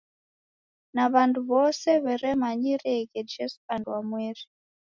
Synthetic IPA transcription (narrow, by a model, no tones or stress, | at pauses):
naβanduβɔsɛβɛɾɛmaɲiɾɛɣɛd͡ʒɛsu̥anduamwɛɾi